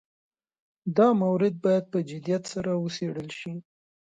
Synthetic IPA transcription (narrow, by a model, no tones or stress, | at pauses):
d̪ɑmawɾɪd̪̚bɑjad̪̚pəd͡ʒɪd̪ijat̪saɾawəseɽəlʃi